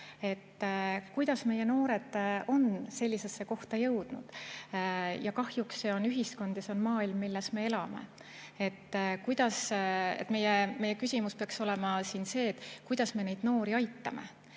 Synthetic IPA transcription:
e̞t̪ːkujd̪̥ɑsme̞je̞no̞ːɾe̞d̪̥o̞nse̞lʲːise̞sːe̞ko̞ht̪ɑjɤwd̪̥nṵd̪̥ | jɑkɑhjuksːe̞o̞nyɦisko̞nd̪jɑseo̞nmɑːilmːilːesme̞e̞lɑme̞̰ | e̞t̪ːkujd̪̥ɑsḛt̪ːˑme̞jemejːe̞kysʲimuspeɑkso̞lemɑsiːnse̞ːt̪ːkujd̪̥ɑsme̞nejd̪̥noːɾiɑjt̪ːɑme̞̰

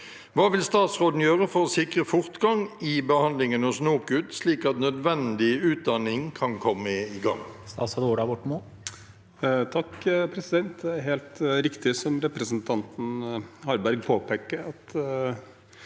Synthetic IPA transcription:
ʋɑːʋɪlst̪ɑːt̪sʁoːd̪n̩jøːʁəfɔʁɔsɪkʁəfʊʁt̪ɡɑŋɪbəhɑnd̪lɪŋənʊsnoːkʉt̪sliːkɑt̪nœd̪ʋɛnd̪ɪʉːt̪̚d̪ɑnɪŋkʰɑnkʰɔmːəɪɡɑ̰ŋːst̪ɑ̰ːsɑd̪oːɖɑʋɔʈːmoːl | t̪ʰɑkːpʰɾɛsɪd̪ɛnt̪̚d̪ɛæɾɦeːlt̪ɾɪkt̪ɪsɔmɾɛpɾəsnt̪ʰɑnt̪n̩hɑɾbæɾɡ̚pʰoːpeːkːəɾɑt̪

